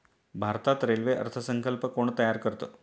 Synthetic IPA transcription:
bʱaɾt̪at̪ɾelʋeʔə̰ɾt̪ʰəsəŋkəlpəkoɳt̪əjaɾkəɾt̪o

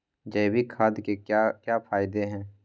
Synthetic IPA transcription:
d͡ʒɛːbʱikʰaːd̪kekakjaːpʰaːɪd̪eɦɛ̃ː

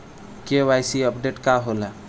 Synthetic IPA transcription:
kewajsiəpɖeʈkaɦola

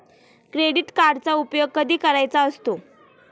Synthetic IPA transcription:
kɾeɽiːʈkaɾɖt͡saupjoɡ̚kəd̪ʱiːkəɾajt͡saəst̪o

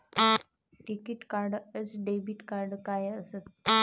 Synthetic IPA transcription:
ʈikiʈkaɾɖəsɖebiʈkaɾɖkajəset̪

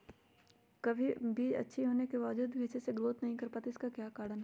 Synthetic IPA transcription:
kɐbʱibʱiːd͡ʒɐ̰tːʃʰiɦoːnekebaːʋd͡ʒuːd̪ʋiːt͡ʃeseɡloːt̪nɐɦĩkɐɾpaːt̪eɪskakjaːkaːɽənɦɛ

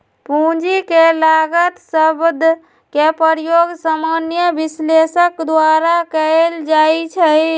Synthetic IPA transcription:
pũd͡ʒikelaɡət̪səbd̪ʱ | kepəɾjoɡsamanjəbislesəkd̪waɾakəld͡ʒajt͡ʃʰə

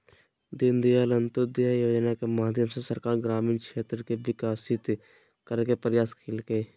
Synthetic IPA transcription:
d̪ɪnd̪ijaːlənt̪ʊd̪jajoːd͡ʒnakemaːd̪ʱjəmsesəɾkaːɾɡɾaːmiːnkʃeːt̪ɾəkeʋɪkaːsɪt̪ | kəɾkepəɾjaːskʰeːlkeː

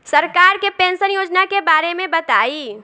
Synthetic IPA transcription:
sɐɾkaːɾkepẽːnsənjoːd͡ʒnakebaːɾemẽbɐt̪aːiː

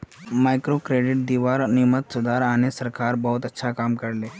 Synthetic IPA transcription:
majkɾokɾeɖɪʈ̚d̪iːʋaɾnimət̪sud̪ʱaɾanesəɾkaɾbəɦut̪ətːʃʰakaːmkəɽle

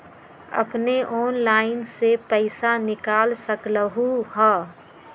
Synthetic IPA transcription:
ɐ̰pneʔɔːnlaːɪnsepəɪsanɪkaːlsəkləɦuɦɛː

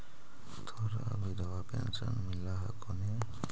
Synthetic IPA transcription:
t̪ʰɔɾabid̪ʱawapɛ̰nsanmilaɦakɔne

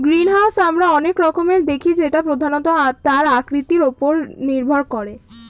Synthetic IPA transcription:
ɡɾinɦasamɾaɔnekɾɔkomeɾd̪ekʰid͡ʑeʈapɾod̪ʱanot̪ot̪aɾakɾit̪iɾopoɾniɾbʱoɾkoɾe

